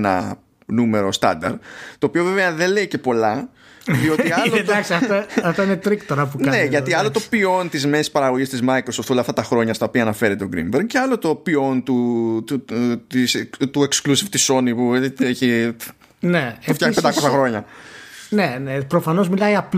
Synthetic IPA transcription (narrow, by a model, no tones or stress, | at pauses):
nɐ̰ | nume̞ɾo̞st̪ɐ̰nd̪ɐ̰ɾt̪oːpio̞ve̞veɐðe̞le̞ice̞po̞lɐ | ðio̞iɐllod̪ɐksiɐfɐɐft̪ɐinet̪ɾikt̪oɾɐpuneʝɐt̪iɐlo̞t̪o̞pio̞nt̪izmesi̥spɐɾɐɣo̞ʝist̪izmɐikɾoso̞ft̪olɐːft̪ɐt̪ɐxɾo̞ɲɐst̪ɐopiɐːnɐfe̞ɾet̪eoɡɾḭmbeɾŋceɐlo̞t̪o̞pio̞nt̪u | ist̪ue̞ksklusiv̥t̪iso̞nipueçi | neuft̪jaxnped̪ɐko̞sɐxɾo̞ɲɐ | nenepɾofɐno̞zmilɐiɐp